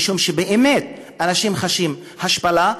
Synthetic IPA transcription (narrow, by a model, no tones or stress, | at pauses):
ʃumʃebeʔemet̪̚ | anaʃimχaʃim | haʃpala